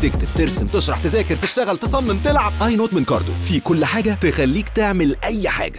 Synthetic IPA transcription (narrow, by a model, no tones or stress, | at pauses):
t̪ek̚t̪eb̚t̪eɾsemt̪eʃɾˤɑħt̪ezæːkeɾt̪eʃt̪æɣælt̪esˤɑmːemt̪elʕab̚ʔɑjnoːt̪menkɑ̰ɾˤt̪o̰fikolːħaːɡæt̪exælːiːkt̪eʕmelʔæjːħa̰ːɡæ̥